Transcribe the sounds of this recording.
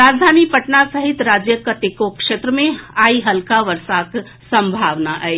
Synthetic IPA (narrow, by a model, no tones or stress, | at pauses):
ɾaːd͡ʒd̪ʱaːnipɐʈnasɐɦɪt̪ɾaːd͡ʒjəkət̪ekokʃeːt̪ɾəmẽaːiɦɐlkaʋəɾsaːk̪ | sɐ̃mbʱaːʋnaʔəe